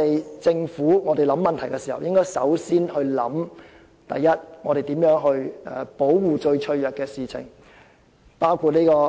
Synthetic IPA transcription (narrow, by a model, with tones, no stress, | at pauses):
e˨jt͡sɪ˧ŋfuː˨˥ŋɔː˨˧d̪e˨˩jlɐ˨˥mːɐ˨nt̪ʰɐ˨˩jkɛ˧siː˨˩hɐ̰˨wjɪ˥ŋkɔː˥jsɐ̰˨˥wsiː˥nhɵ˧ɥlɐ̰˨˥m | t̪ɐ̰˨˩jːɐ˥t̚ŋɔː˨˧ɾe˨jt̪i˨˥mjœː˨˥ŋɦɵ˧ɥɛ˨˧po˨˥wːuː˨t͡ʃɵ˧ɥt͡ʃʰɵ˧ɥjœː˨kːɛː˧siː˨t͡sʰɪ̰˨˩ŋ | paː˥wkʰuː˨˧t̚niː˥kɔː˧